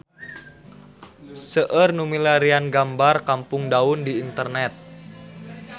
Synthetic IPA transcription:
səʔərnumilaɾianɡambarkampʊŋdaʊndiːnt̪ərnɛt̪̚

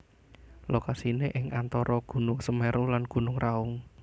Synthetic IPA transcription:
lokasineʔɪŋʔant̪ɔɾɔɡ̥ṳnʊŋsəmeɾulanɡ̥ṳnʊŋraʊŋ

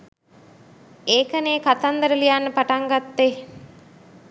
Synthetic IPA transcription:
eːkəneːkat̪and̪əɾəlijanːəpaʈaŋɡat̪ːe

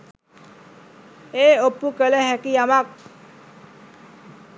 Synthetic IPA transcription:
eopːukəleɦɛkiamak̚

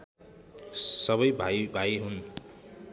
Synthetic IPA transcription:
sʌβʌjbʱajbʱajɦun

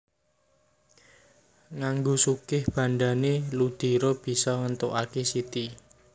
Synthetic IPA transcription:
ŋaŋɡosukɪhb̥a̤nɖanelud̪̥i̤ɾob̥i̤sɔŋənt̪oʔakesit̪i

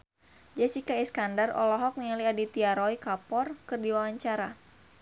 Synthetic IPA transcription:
d͡ʒɛsikaiskandarɔ̰lɔɦɔk̚nialiadit̪iaɾɔjkapɔrkɨrdiwawaɲt͡ʃaɾa

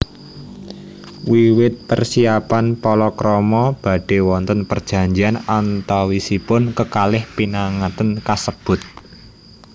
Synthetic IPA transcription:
wiwɪt̪̚pərsiapanpɔlɔkɾɔmɔb̥a̤ɖ̥e̤wɔnt̪ənpərd̥ʒ̥a̤ɲd͡ʒianant̪awisipʊnkəkalɪhpinaŋat̪ənkasəb̥ʊ̤t̪̚

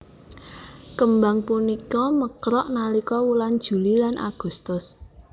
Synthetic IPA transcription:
kəmbaŋpunikɔməkɾɔʔnalikɔwuland̥ʒ̥ṳlilanʔa̰ɡ̥ṳst̪ʊs

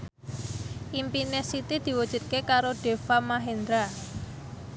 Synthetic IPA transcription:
ʔimpinesit̪id̪̥i̤wud̥ʒ̥ṳt̪̚kekaɾoɖ̥e̤famaɦend̪ɾa

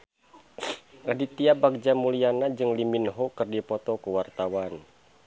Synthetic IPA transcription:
adit̪iabaɡ̚d͡ʒamulianad͡ʒɨŋliminɦɔkɨrdipɔt̪ɔkuwart̪awan

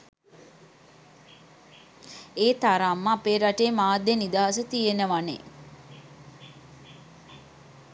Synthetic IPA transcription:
eːt̪aɾamːəapeːɾaʈeːmaːd̪jenid̪aɦasət̪ienəʋanḛ

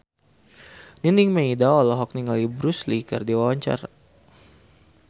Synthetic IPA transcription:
niniŋmaidawalɔɦɔk̚niŋalibɾuslikɨ̰rdiwawaɲt͡ʃa̰ra

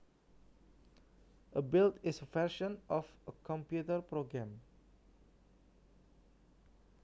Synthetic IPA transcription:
ʔəbiltɪsəfɛʃə̃nʔɔfəkʰɔ̃mpjutəpɹoɡɹɛ̃m

